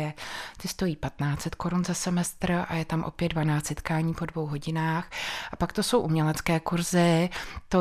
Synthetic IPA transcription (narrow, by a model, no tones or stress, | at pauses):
ɛt̪ɪst̪o̞jiːpat̪naːt͡sɛt̪kʰo̞ɾunzasɛmɛst̪ɾʔa̰jɛt̪amʔo̞̰pjɛddvanaːt͡st̪sɛt̪kaːɲiːpo̞dvo̞wɦo̞ɟɪnaːxʔapakt̪o̞sowʔumɲɛlɛt͡skɛːkuɾzɪt̪o